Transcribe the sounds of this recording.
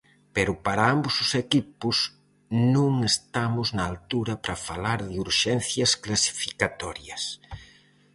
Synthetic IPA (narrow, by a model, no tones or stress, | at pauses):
peɾʊpaɾaambʊzʊsekipʊs | nũŋest̪amʊznɐːlt̪uɾɐpɾɐfalaɾðɪuɾʃɛnθjɐsklasi̥fikat̪ɔɾjɐs